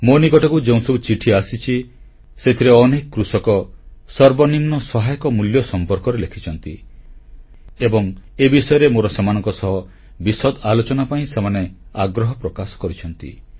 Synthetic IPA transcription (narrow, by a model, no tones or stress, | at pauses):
monikɔʈɔkud͡ʒeũsɔbut͡ʃiʈʰiasit͡ʃʰi | set̪ʰiɾeɔnekɔkɾusɔkɔsɔɾbɔnimnɔsɔɦajɔkɔmuljɔsɔmpɔɾkɔɾelekʰit͡ʃʰɔnt̪i | ebɔŋebisɔjɔɾemoɾɔsemanɔ̃ŋkɔsɔɦɔ | bisɔd̪alot͡ʃɔnapaĩsemaneaɡɾɔɦɔpɾɔkasɔ̥kɔɾit͡ʃʰɔnt̪ḭ